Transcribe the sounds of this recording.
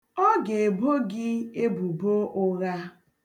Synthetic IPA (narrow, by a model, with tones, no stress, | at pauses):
ɔ˦ɡe˨e˨bo˦ɡɪ˦e˦bu˨bo˦ʔʊ˦ɣa˦